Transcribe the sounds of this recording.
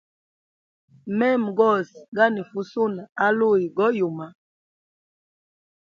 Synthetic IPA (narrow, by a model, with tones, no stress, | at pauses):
mɛ˦˨m˨ɡɔ˦˨sɡa˦ni˨fu˦su˦na˨a˨˦lu˦˨i˨ɡɔ˦ju˨ma˨